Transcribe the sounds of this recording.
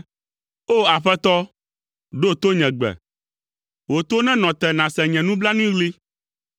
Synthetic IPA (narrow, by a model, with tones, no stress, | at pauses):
o˦a˨ɸɛ˦t̪ɔ˦ | ɖo˦t̪o˦ɲɛ̃˨ɡ͡bɛ̰˨ | wo˨t̪o˦nɛ̃˦nɔ̃˨t̪ɛ˨nã˨sɛ˨ɲɛ̃˨nũ˦bla˦nũ˦ĩ˦ɣli˦